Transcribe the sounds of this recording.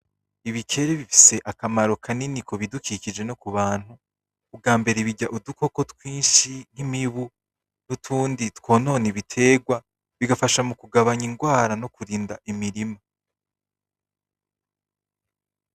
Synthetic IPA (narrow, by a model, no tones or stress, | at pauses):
iβikʰe̞ɾeβifi̥se̞ʔakamaɾo̞kʰaninikʰo̞βidukiːcid͡ʒe̞no̞kuβaːn̥huː | bɡaːmbe̞ɾeβiɟaʔuduko̞ko̞tkwiːnʃin̥himiβu | nutʰuːnditkwo̞ːno̞ːneβitʰe̞ːɡwa | βiɡafaʃamukuɡaβaɲiŋɡwaːɾano̞kuɾiːndaʔimiɾima